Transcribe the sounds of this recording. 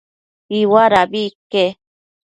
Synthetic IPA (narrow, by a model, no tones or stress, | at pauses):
iwaɾabike